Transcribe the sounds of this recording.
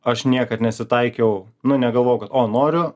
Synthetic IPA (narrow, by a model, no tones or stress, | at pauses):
ɐʃnʲiɛkɐt̪nʲɛsʲɪt̪ɐɪkʲɛʊnʊnʲɛɡɐlˠʋoːjʊkɐt̪oːnoːɾʲʊ